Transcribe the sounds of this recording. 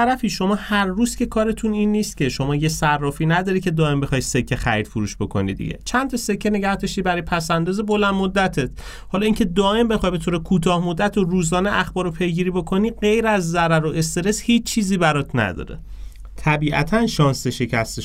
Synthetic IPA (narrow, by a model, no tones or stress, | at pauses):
æɾæfiːʃo̞mɒːhæɾːuːz̥cʰʲe̞kʰɒːɾe̞t̪ʰuninːiːst̪̚cʲʰe̞ʃo̞mɒːjesærːɒːfiːnæd̪ɒːɾikcʰe̞d̪ɒːe̞mbe̞xɒːjse̞kʰːe̞xæ̰ɾid̪fuɾuːʃb̥o̞kʰo̞̰nḭd̪ḭɟe̞̰t͡ʃʰænt̪ʰɒse̞kʰːe̞ne̞ɟæhd̪ɒʃt̪iːbæɾɒjepʰæsænd̪ɒːzebolænd̪mod̪ːæt̪ʰet̪ʰ | hɒːlɒːiːcʰe̞d̪ɒːʔe̞mbe̞xɒːjbe̞t̪ʰoːɾekʰuːt̪ʰɒːhmod̪ːæt̪ʰoruːzɒːneʔæxbɒːɾopʰe̞jɡiːɾibo̞kʰo̞niːɢe̞jɾæzːæɾæɾoe̞st̪e̞ɾe̞shiːt͡ʃt͡ʃʰiːziːbæɾɒt̪ʰnæ̰d̪ɒ̰ːɾḛ | t̪ʰæbiːʔæ̰t̪ʰænʃɒːnseʃecʰæst̪e